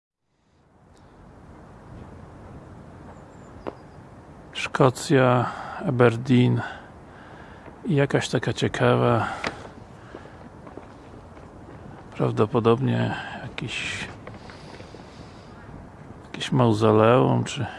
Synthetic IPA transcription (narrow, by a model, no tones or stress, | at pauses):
ʂkʰɔt̪sʲjaabɛɾd̪ʲin | ijakaɕt̪akat͡ɕɛkʰava | pɾavd̪ɔpɔd̪ɔbɲɛjakʲiɕ | jakʲeɕmawzalɛwumt͡ʂɘ